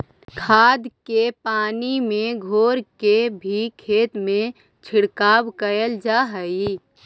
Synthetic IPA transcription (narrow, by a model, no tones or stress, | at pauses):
kʰaːd̪kepaːnimẽɡʱoːɾkebʱikʰeːt̪mẽ | t͡ʃʰɪɽkaːwkəjəld͡ʒaːɦəi